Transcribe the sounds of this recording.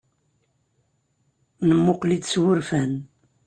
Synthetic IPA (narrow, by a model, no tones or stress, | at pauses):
nəmːʊqlid̪swʊɾfæn